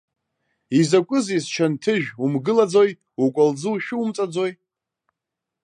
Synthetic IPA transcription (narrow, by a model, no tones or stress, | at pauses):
izakʷʼʊzizt͡ʃʰantʰɨʒᶣumɡɨlad͡zo̞j | ukʷʼald͡zɨwʃᶣʊumt͡sʼad͡zo̞j